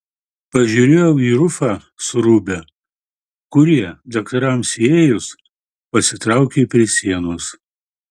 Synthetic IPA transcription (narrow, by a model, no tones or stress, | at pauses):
pɐʒʲuːɾʲeːjɛʊiːɾʊfɑː | sʊɾuːbʲɛ | kʊɾʲiɛd̪ɐkt̪ɐɾɐmsʲeːjʊs | pɐsʲɪt̪ɾɑˑʊkʲepʲɾʲiɛsʲiɛnoːs